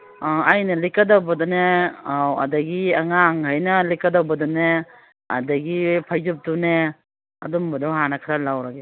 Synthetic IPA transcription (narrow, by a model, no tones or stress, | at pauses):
ajnɐlikadawbɐdɔneawa̰daɡiaŋaŋhajnɐlikadawbɐdune | a̰daɡipʰajzup̚dune | a̰dumbadɔwɦanakʰaɾalawɾaɡe